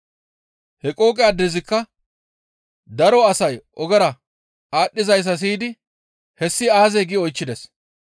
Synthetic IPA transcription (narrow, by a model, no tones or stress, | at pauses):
hɛkʼo̞ːkʼɛɐd̪ːɛzɪkːɐ | d̪ɐɾɔɐsɐjʔɔɡɛɾɐ | aːɗːɪzɐjs̬ːɐs̬iːd̪ɪ | hɛsːɪaːzɛɡɪɔjt͡ʃːɪd̪ɛs